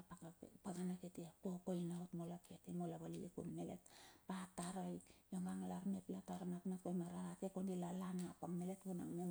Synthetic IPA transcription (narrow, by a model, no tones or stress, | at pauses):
paɡanaketiakokojnaotmolapketemolaβalilikṵnme̞le̞̰t̚pataɾojjoŋaŋlaɾmeplataɾonatnatkojmaɾaɾatekondilalanapaŋme̞le̞tbona̰ŋmem